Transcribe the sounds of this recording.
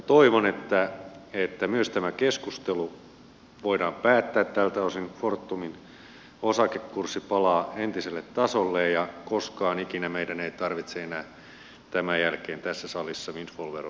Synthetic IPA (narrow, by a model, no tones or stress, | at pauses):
t̪oiʋonet̪ːæet̪ːæmyøst̪æmækeskust̪elu | ʋoidɑːmpæːt̪ːæːt̪t̪ælt̪æosinfort̪ːumin | osɑkekːursːipɑlɑːent̪iselːet̪t̪ɑsolːejjɑkoskɑːnikinæmeidæneit̪ɑrʋit̪seenæː | t̪æmæjælkeːnt̪æsːæsɑlisːɑinsʋolʋer